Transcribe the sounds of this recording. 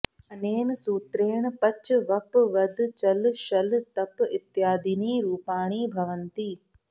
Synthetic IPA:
ɐneːnsuːt̪ɾeːɳ̃pɐt͡ʃʋɐpʋɐd̪ʱt͡ʃɐlʃɐlt̪ɐpɪt̪jaːd̪iniːɾuːpaːɽ̃iːbʱɐʋənt̪iː

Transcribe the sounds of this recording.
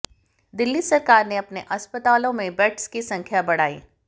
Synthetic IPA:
d̪ɪlːisɐɾkaːɾneɐpneʔɐspət̪aːlõmẽbɛʈskisɐ̃ŋkʰjabɐɽ̤a̰ːḭː

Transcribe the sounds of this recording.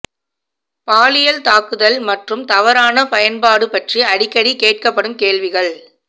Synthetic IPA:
paːlɪjɐlt̪aːkɯðɐlmɐʈrɯmt̪ɐʋɐɾaːnɐpɐjɐnpaːɽɯpɐʈriɐɽɪkːɐɽikeːʈ̚kɐpːɐɽɯmkeːɭʋɪɣɐɭ

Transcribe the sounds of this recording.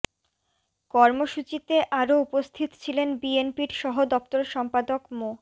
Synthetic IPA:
kɔɾmoʃut͡ɕit̪eʔaɾoupost̪ʰit̪o̥t͡ɕʰilenbienpiɾʃɔɦod̪ɔp̚t̪oɾʃɔmpad̪okmo

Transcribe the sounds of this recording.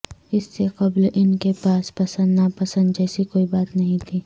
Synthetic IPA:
ɪsːeqɐblɪnkepaːspɐsə̃nd̪napɐsə̃nd̪d͡ʒɛːsikoːibaːt̪nɐɦĩt̪ʰiː

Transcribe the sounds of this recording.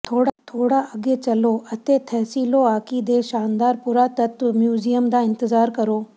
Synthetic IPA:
t̪ʰoːɽat̪ʰoːɽaʔɐɡet͡ʃɐloːɐt̪et̪ʰɛːsiːloaːkid̪eːʃaːnd̪aːɾpʊɾat̪ɐt̪mjuːzijəmd̪aːɪ̃nt̪ɪzaːɾkɐɾoː

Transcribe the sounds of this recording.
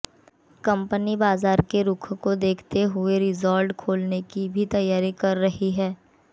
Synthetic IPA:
kɐ̃mpənibaːzaːɾkeɾʊkʰkod̪eːkʰt̪eɦʊeɾɪzɔːɾɖkʰoːlnekibʱit̪ɐjːaːɾikɐɾːɐɦiɦɛː

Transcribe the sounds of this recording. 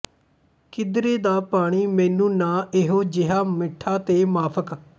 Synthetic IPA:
kɪd̪ɾeːd̪aːpaːɽ̃iːmɛ̃ːnũːnaːʔeɦoːd͡ʒɪɦaːmɪʈʰːaːt̪eːmaːpʰək

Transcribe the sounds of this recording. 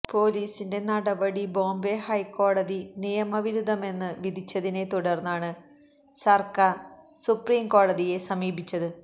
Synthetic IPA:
po̞ːliːsinde̞nɐɽɐbɐɽibo̞ːmbe̞hɐjkːo̞ːɽɐðinijɐmɐʋiɾud̪ɐme̞nːɨʋid̪ʱit͡ɕːɐðine̞t̪uɽɐrnːaːɳɨ | sɐrkaːrsupriːmko̞ːɽɐðije̞sɐmiːbʱit͡ɕːɐðɨ

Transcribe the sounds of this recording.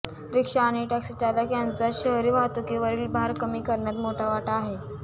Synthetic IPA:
ɾikʂaːɽ̃iʈæksiʈalakjant͡saɕəɦɾiʋat̪ukeʋəɾiːlbʱaaɾkəmiːkəɾɳat̪moʈʰaʋaʈaːɦe

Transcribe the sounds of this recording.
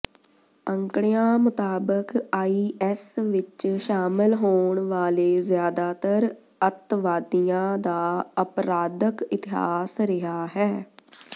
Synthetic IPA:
əŋkɽejãːmʊt̪aːbəkaːiːʔɛsʋɪt͡ʃʃaːmɪlɦoːɳʋaːleːzjaːd̪aːt̪əɾ | ət̪ʋaːd̪ijãːd̪aːəpɾaːd̪əkɪt̪ɪɦa̰ːsɾɪɦaːɦɛː

